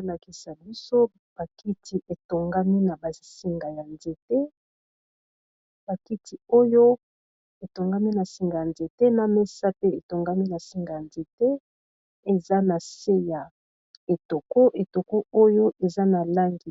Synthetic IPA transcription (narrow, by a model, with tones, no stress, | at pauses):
la˨ki˨sa˨bi˦so˦ | b̥a˨ki˦ti˨ʔe˨to˨ŋɡa˦mi˦na˨ba˨si˨ŋɡa˨ja˨nze˨te˦ | b̥a˨ki˦tʰi˨o˦jo˦ | e˨to˨ŋɡa˦mi˦na˨si˨ŋɡa˨ja˨nze˨te˦na˨me˦sa˦pe˦e˨to˨ŋɡa˦mi˦na˨si˦ŋɡa˨ja˨nze˨te˦ | e˨za˦na˨se˦ja˨ | e˨to˨ko˦ʔe˨to˨ko˦o˦jo˦ʔe˨za˦na˨la˦ŋɡi˨